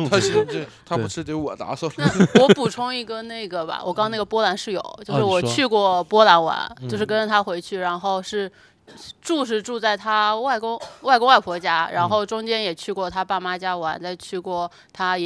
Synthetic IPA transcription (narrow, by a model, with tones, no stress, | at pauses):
t̪ʰa˥˧˥t̪ʰa˥u˧˥ʂɻ̩˥˩kɪwɔ˨˩t̪a̰˧˥swɔ˥˩na˥˧˥wɔ˧˥pu˨˩ʈ͡ʂʰʊ˥ŋi˧˥ɡə˨na˥˩ɪɡə˩ba̰˩wɔ̰˨˩kɑ˥ŋna˥˩ɡə˩pwɔ˥la˧˥nʂɻ̩˥˩jo̰˨˩˦ʊt͡ɕjo˥˧ʂɻ̩˥˩wɔ˨˩t͡ɕʰy˥˧kwɔ˥˩pwɔ˥la˧˥nwa̰˧˥nt͡ɕjo˥˧ʊʂɻ̩˥˩kə˥n˧t̪ʰa˥xwe˧˥ɪt͡ɕʰy˥˩ɻa˧˥nxo˥˧ʊʂɻ̩˥˧ | ʈ͡ʂu˥˧ʂ̬ɻ̩˥˧ʈ͡ʂu˥˧t͡sa˥˩ɪt̪ʰa˥wa˥˩ɪkʊ˥ŋwa˥˩ɪkʊ˥ŋwa˥˩ɪpʰwɔ˧˥t͡ɕja˥ɻa̰˧˥nxo˥˩ʊʈ͡ʂʊ˥ŋt͡ɕjɛ˥njɛ˨˩t͡ɕʰy˥˧kwɔ˥˩t̪ʰa˥pa˥˩ma˥t͡ɕja˥wa̰˧˥nt͡sa˥˧ɪt͡ɕʰy˥˧kwɔ˥˩ | t̪ʰa˥˩